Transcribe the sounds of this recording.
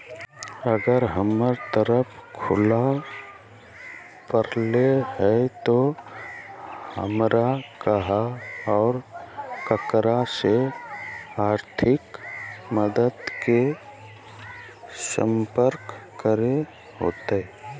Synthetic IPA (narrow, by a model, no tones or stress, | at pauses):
əɡəɾɦəməɾt̪əɾəpkʰʊla | pəɾlehɛt̪o | hə̰mɾakəɦaɔːɾkəkɾase | aːɾt̪ʰɪkməd̪əd̪ke | sə̰̃mpəɾkː | əɾe | ɦo̰ːt̪eɛ